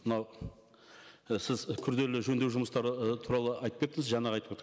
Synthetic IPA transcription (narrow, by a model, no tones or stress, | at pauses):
mənɑw | sɪzkʲʰʏɾd̪e̞lɪʒɵnd̪e̞wʒʊməst̪ɑɾət̪ʰuɾɑlˠəɑjt̪əpke̞pt̪ɪŋəzʒɑnɑʁɑjt̪əpket̪ʰː